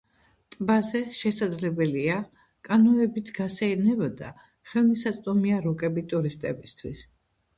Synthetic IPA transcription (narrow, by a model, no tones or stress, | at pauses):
t̪ʼbazɛʃɛsad̪zlɛbɛlia | kʼanɔɛbit̪ʰɡ̥asɛiɾnɛbad̪a̰ | χɛlˠmisat̪sʼd̪ʼɔmiaɾɔkʼɛbit̪ʼuɾist̪ʼɛ̰bist̪ʰwis